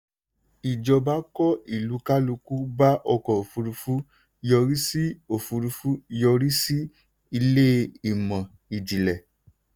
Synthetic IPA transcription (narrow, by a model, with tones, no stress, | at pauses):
i˨d͡ʒɔ˧ba˦kɔ˦i˨lu˨˦ka˦lu˧ku˦ba˦ʔɔ˧kɔ˨o˨fu˧ɾu˧fu˦˧ | jɔ˧ɾi˦si˦o˨fu˧ɾu˧fu˦˧jɔ˧ɾi˦si˦ | i˧le˦i˦˨mã˨ | i˨d͡ʒi˨lɛ˨